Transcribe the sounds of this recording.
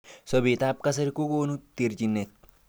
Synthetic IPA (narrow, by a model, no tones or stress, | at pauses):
sɔbiːt̪aːb̚kɐs̬ɪɾkuɡoːnʊt̪iɾd͡ʒɪnːɛt̪̚